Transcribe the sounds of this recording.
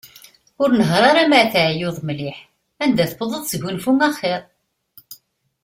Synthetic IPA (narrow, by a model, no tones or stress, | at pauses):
ʊɾnəɦɾˤɑɾˤamaʕθaʕjʊðˤmliħ | ænd̪æθbðˤəðˤsəʝunfumæχɪɾˤ